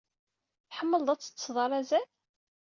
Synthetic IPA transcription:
θħəmːəld̪ˤæt͡sːə̥t͡sːsðˤɑɾˤæzæl

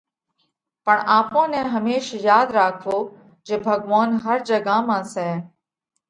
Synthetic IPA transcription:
pəɳaːpõːnẽːɦəmeːʃjaːd̪ɾaːkʰʋoː | d͡ʒeːbʱəɡʋaːnɦəɾd͡ʒəɡaːmãːsɛː

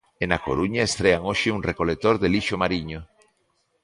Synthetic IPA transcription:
enakoɾuɲaest̪ɾeaŋoʃɪuŋrekolet̪oɾðeliʃomaɾiɲo

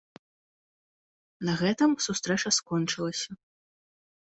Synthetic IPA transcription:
nɐɣɛt̪ɨmsust̪ɾɛt͡ʂɐskɔnt͡ʂɨlˠɐsʲɐ

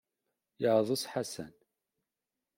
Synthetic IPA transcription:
jəʕðˤusħasæ̰n

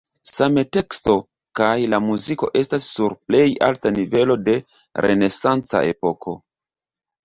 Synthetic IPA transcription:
same̞te̞ksto̞ | kajlamuziko̞̰ʔe̞stasːuɾple̞ja̰ltanive̞lo̞de̞ | ɾʔe̞̰ne̞sant͡sa̰ʔe̞̰po̞kʰo̞̰

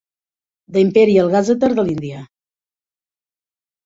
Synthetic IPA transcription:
d̪əimpɛɾiəlˠɣazət̪əɾðəlind̪ia

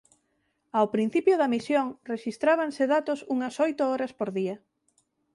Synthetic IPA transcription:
awpɾin̟θipjoðɐmisjoŋreʃist̪ɾaβ̞aŋseðat̪ʊsuŋɐsɔjt̪ʊɔɾɐspoɾðiɐ

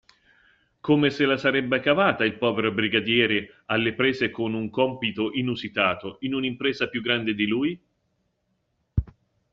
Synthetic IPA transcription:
komeselasaɾɛbːekavaːt̪ailpɔːveɾobɾiɡad̪jɛːɾe | alːepɾeːzekonuŋkɔmpit̪oʔinuzit̪aːt̪oinunimpɾeːzapjuɡːɾand̪ed̪iluːj

